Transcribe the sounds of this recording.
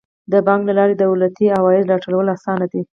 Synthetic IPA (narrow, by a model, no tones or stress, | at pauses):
d̪əbɑŋklalɑɾed̪əulat̪iawɑjɪd̪lɑʈəlawəlasɑnad̪i